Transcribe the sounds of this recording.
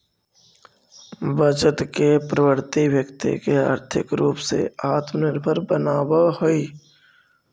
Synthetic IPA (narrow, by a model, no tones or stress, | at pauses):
bət͡ʃət̪kepɾəwəɾt̪ibjəkt̪ḭkeə̰ɾt̪ʰɪ̰kɾuːpsḛaːt̪mənɪɾbʱəɾbənaːwaɦoi